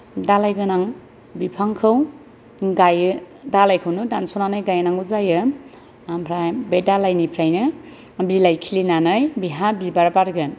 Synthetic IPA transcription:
dalajɡɯnaŋ | bipʰaŋkʰɯw | ɡaj | dalajkʰɯwnɯdansonanɯjɡajanaŋuzajɯ | ampʰɾajbedalajnipʰɾajnɯ | bilajkʰilinanɯjbiɦabibaɾbaɾɡɯn

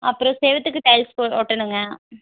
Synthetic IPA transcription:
ɐpːɯɾõseːʋɐt̪ːɯkːɯʈ̪ɐjlskooːʈːɐnɯŋɡɐ

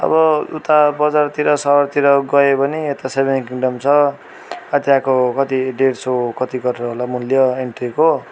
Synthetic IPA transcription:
ʌ̰bʌṵt̪abʌd͡zart̪iɾʌsʌʌrt̪iɾʌɡʌebʌniet̪asebenkiŋɖʌmt͡sʰʌ | ad̪jakokʌt̪iɖeɽsokʌt̪iɡʌɾrʌɦolamuljʌeɳʈriko

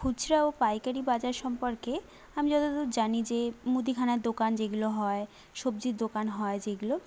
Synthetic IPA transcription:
kʰut͡ɕɾaopajkaɾibad͡ʑaɾʃɔmpoɾke | amid͡ʑɔt̪ot̪od͡ʑanid͡ʑemud̪ikʰanad̪okand͡ʑeɡuloɦɔe | ʃob̚d͡ʑiɾd̪okanɦɔed͡ʑeɡulo

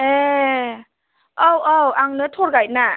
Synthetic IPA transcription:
e | ɔwɔwaŋnɯtʰoɾɡaj̚na

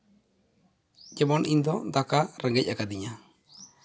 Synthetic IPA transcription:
d͡ʒɛbɔnʔiɲd̪ɔd̪akaɾəŋɡɛc̚ˀakad̪iɲa

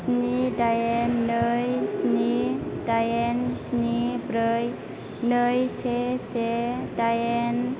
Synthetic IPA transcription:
snidajenːəjsnidajensnibɾəj | nəjsesedajen

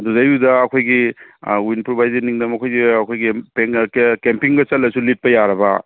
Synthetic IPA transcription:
duzajudɐːkʰojɡiwinpɾobajzɐɾniŋdɐmɐkʰojɡiɐkʰojɡipeŋkempiŋɡɐt͡ʃɐlːɐsulit̚pɐjaɾɐbɐ

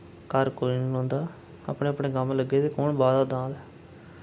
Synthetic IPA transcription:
kəɾkoːiːnːɦõːnd̪aː | a̰pɳeːəpɳeːɡəmləɡːeːt̪eːkoːɳbaːd̪aːd̪ãːd̪ɛː

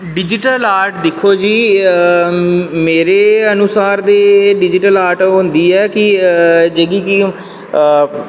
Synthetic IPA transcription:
ɖɪd͡ʒɪʈəlaːɾʈd̪ɪkʰːoːd͡ʒiː | meːɾeːənʊsaːɾd̪eːɖɪd͡ʒɪʈəlaːɾʈɦõnd̪iːɛːkɪd͡ʒeːɡiːki

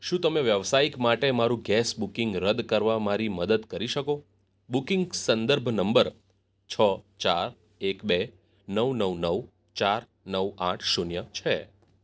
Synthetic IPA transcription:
ʃũt̪əmeʋjəʋsaikmaʈemaɾũɡɛsbukɪŋɡɾəd̪kəɾʋamaɾiməd̪əd̪kəɾiʃəko | bukɪŋɡsənd̪əɾbʱnəmbəɾ | t͡ʃʰət͡ʃaɾ | ekbe | nəʋnəʋnəʋ | t͡ʃaɾ | nəʋã̰ʈʰʃunjət͡ʃʰe

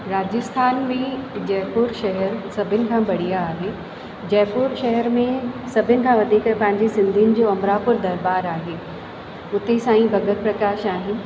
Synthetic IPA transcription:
ɾaːd͡ʑəst̪ʰaːnbɪd͡ʑɛːpʊɾʃɐɦɛɾsɐbʱɪnɪ̆kʰãːbʱɐɽ̤ijaːɦeː | d͡ʑɛːpʊɾʃɐɦɛɾmẽsɐbʱɪnɪ̆kʰãːʋɐd̪ʱiːkpɐ̃ɦɪ̃ɲd͡ʑesɪ̃nd̪ʱinɪ̆d͡ʑoːɐmɾaːpʊɾd̪ɐɾbaːɾaːɦeː | ʊt̪esãːĩbʱɐɡət̪̚pɾɐkaːʃaːɦɪnɪ̆

